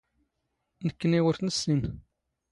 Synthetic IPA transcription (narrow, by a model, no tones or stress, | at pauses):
nəkːəniwəɾθnəsːim